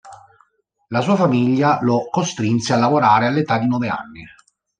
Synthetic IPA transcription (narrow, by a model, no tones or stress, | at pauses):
lasuːafamiʎːalokost̪ɾinsealːavoɾaːɾealːet̪ad̪ːinɔvea̰nːi